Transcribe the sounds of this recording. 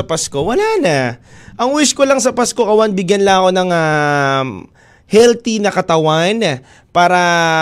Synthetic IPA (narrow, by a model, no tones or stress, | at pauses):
ɐpɐsko̞wɐlanɐʔɐŋwiskolɐŋsɐpasko̞ʔɐwanbɪɡjɐnlɐŋɐko̞nɐŋa | hɛlt̪inɐkɐt̪ɐwan | paːɾɐ